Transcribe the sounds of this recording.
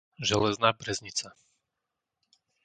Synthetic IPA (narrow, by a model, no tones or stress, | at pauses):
ʒɛlɛznaːbɾɛzɲit͡sa